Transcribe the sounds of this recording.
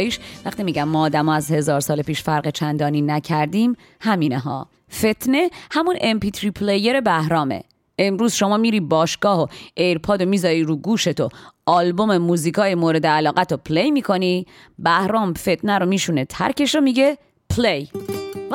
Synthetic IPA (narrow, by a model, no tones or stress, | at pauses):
jiʃvæχt̪imiːɟæmːɒːd̪æmɒːæzhe̞zɒːɾsɒːlepiːʃfæɾɢet͡ʃʰænd̪ɒːniːnæcʰæɾd̪iːm | hæmiːneɦɒ̰ː | fe̞t̪ʰne̞hæmunempit̪ɾipʰleje̞ɾe̞bæhɾɒːmḛ | emɾuːzʃo̞mɒːmiːɾiːbɒːʃɡ̥ɒːhoʔejɾpʰɒːd̪o̞miːzɒːɾiːɾuːɡuːʃe̞t̪ʰoɒːlbo̞memuːziːkʰɒːjemoːɾe̞d̪eælɒːɣæt̪ʰopʰlejmiːkʰo̞niː | bæhɾɒːmfe̞t̪ʰnæɾo̞miːʃunet̪ʰæ̰ɾcʰe̞ʃomiɟe | pʰlej